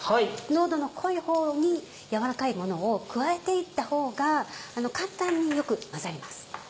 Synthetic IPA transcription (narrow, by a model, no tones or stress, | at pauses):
haino̞ːd̪o̞no̞kʰo̞iho̞ːɲ̟i | jaβaɾakaimo̞no̞ːkɯ̟βae̞t̪e̞it̪ːaho̞ːɡaːno̞kãnt̪ãɲ̟ːijo̞kɯ̟mazaɾʲimasɨ̥